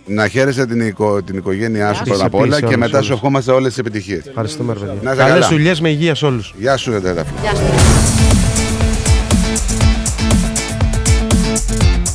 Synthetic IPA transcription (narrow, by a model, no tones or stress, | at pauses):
nɐçe̞ɾeset̪ikot̪iniko̞ʝe̞niɐsu̥pɾot̪ɐpolɐe̞me̞t̪ɐssuefxo̞mɐst̪eo̞lesise̞pit̪içiesfxɐɾist̪umeɾopeðʝanɐseɐlelzðuʎe̞zmeiʝiɐso̞lusʝɐsuðet̪et̪ɐfo̰